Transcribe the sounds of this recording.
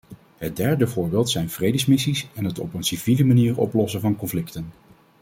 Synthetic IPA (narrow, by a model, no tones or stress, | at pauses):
ɦət̚dɛɹdəvʊːɹbɪːlˠtsɛjnv̥rejdəsmɪsisɛnɦətɔ̰pənsiviləmaniːɹɔ̰plɔsəvɑnkɔɱflɪktən